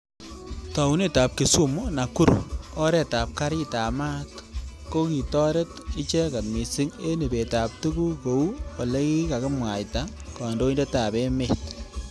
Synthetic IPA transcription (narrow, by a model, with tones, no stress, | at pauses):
tɔ˨u˦ne˦ta˨p̚ki˨su˦mu˦na˨ku˦ɾɔ˦ɾe˨ta˨p̚ka˦ɾɪ˦ta˨ma˦tko˦ki˨tɔ˦ɾe˦tɪ˦t͡ʃe˦ka˨tmi˨sɪ˦ŋe˦ne˨be˨ta˨p̚tu˦ku˦ko˨u˦kɔ˨le˦ki˦ka˨kɪ˦mwa˨jta˦ | kɔ˨ndo˦i˦nde˦ta˨be˦met